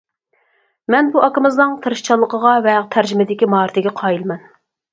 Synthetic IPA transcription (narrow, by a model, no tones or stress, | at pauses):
mɛnbuʔɑkɨmɨznɨŋt̪ʰɨɾɨʃt͡ʃʰɑlˠːəqʰəʁɑvɛt̪ʰæɾd͡ʒɪmɪd̪ɪkʲimɑːɾɨt̪ʰɪɡʲɛqʰɑjilˠmɛn